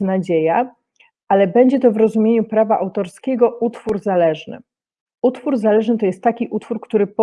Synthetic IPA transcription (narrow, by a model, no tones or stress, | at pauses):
nad͡ʑeja | ʔalɛbɛɲd͡ʑɛt̪ɔvɾɔzumʲjeɲupɾavaʔawt̪ɔɾskʲɛɡɔʔut̪fuɾzalɛʐnɘ̰ | ut̪fuɾzalɛʐnɘt̪ɔjɛst̪ːakʲiʔut̪fuɾkt̪uɾɘpɔ